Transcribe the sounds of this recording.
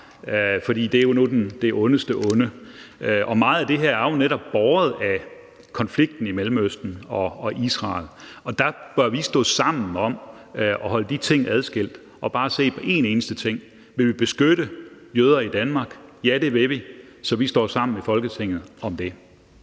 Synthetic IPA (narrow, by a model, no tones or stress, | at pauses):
øfɒ̽d̥ḭːd̥eæɐjo̝nodend̥e̝ʔɔ̽nəsd̥əʔɔ̽nəøʔɒ̽mɑ̈ːð̩ˠæd̥e̝ɦeɐæɐjo̝neɾɒ̽b̥ːɒːð̞̩ˠæ | kʰɒ̽nfliɡ̥̚d̥n̩imelm̩øsd̥n̩ɒ̽ːʔisʁɑ̈ːlɒ̽d̥æb̥ɶɐʋisd̥ɔ̰̽ːsɑ̈m̰n̩ɒ̽m | ʔɒ̽ɦɒ̽ləd̥it͡sʰe̝ŋ̰æð̞ˠsɡ̥e̝l̰d̥ | ʔɒ̽b̥ɑ̈ːse̝̰ːpʰɒ̽ʔe̝̰ne̝ːnəsd̥ət͡sʰe̝ŋ̰ | ʋe̝ʋib̥e̝sɡ̥øɾ̥ə | jøːð̞ˠɐid̥ænmɑ̈ːɡ̥jæɾ̥e̝ʋe̝ʋi | sɒ̽ʋisd̥ɒ̰ːsɑ̈m̰n̩efɒ̽lɡ̥ət͡sʰeŋ̰ð̩ˠɒ̽md̥e̝